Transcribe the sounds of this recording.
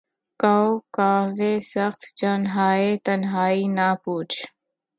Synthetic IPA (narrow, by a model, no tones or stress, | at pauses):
kaokaːʋeːsəxt̪d͡ʒənɦaːet̪ənɦaːinaːpuːt͡ʃʰ